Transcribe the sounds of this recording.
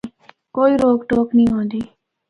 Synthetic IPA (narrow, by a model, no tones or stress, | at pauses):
koːiːɾoːɡʈoːknĩːɦõːnd̪iː